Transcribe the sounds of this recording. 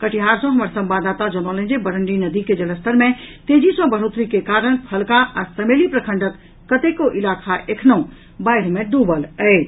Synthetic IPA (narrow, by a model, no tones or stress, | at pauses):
kəʈʰiɦaːɾsõɦəməɾsə̃mbaːd̪aːt̪ad͡ʒɔnɔlẽd͡ʒebəɾəɳɖinəd̪iked͡ʒələst̪ʰəɾmẽt̪eːd͡ʒisɔ̃bʱəɽ̤oːt̪ɾikekaːɾəɳ̃pʰɐlkaʔaɾsəmeːlipɾəkʰə̃ɳɖət̪ | kət̪ekoʔɪlaːkʰaʔekʰnõ | baːɪɽmẽɖ̪uːbəlɛe